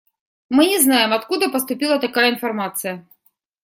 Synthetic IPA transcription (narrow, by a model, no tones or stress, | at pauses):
mɨnʲɛznajɛmɐt̪kud̪ɐpɐst̪ʊpʲilˠɐt̪akajɐinfɐrmat̪sɨjɐ